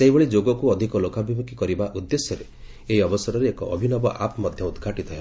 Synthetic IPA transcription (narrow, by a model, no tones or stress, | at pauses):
seɦibeɭid͡ʒoɡɔkuɔd̪ʱikɔlokabʱibukikɔɾibaʔud̪ːesjɔɾe | eɦiɔbɔsɔɾɔɾeekɔʔɔbʱinɔbɔʔapmɔd̪ʱjɔud̪ɡʱaʈit̪ɔɦe